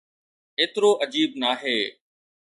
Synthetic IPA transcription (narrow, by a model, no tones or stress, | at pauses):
eːt̪ɾoːʔəd͡ʑiːbnaːɦeː